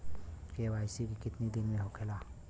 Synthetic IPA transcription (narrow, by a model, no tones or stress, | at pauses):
kewaːɪsikikɪt̪nid̪ɪnmẽɦokʰela